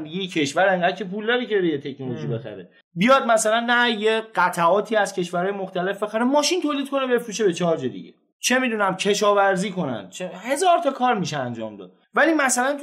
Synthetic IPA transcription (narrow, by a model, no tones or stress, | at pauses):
mijicʰe̞ʃvæɾeŋɡæd̪̚cʰe̞pʰuːld̪ɒːɾiːcʰeɾejet̪ʰecʰnolo̞ʒiːbe̞xæ̰ɾe | bijɒːd̪̚mæsælænːæjeɢ̥æt̪ʰæɒːt̪ʰiːæz̥cʰe̞ʃvæɾhɒːjemoxt̪æle̞fbe̞xæɾemɒːʃint̪ʰoːliːd̪̚kʰo̞nebe̞fɾuːʃebe̞t͡ʃʰɒɾd͡ʒed̪ḭɟḛ | t͡ʃʰe̞miːd̪uːnæmcʰe̞ʃɒːvæɾziːko̞næ̰nd̪t͡ʃʰehe̞zɒːɾt̪ʰɒkʰɒːɾmiʃeænd͡ʒɒ̰ːmd̪ɒ̰ːd̪̥ | væliːmæsælænt̪ʰ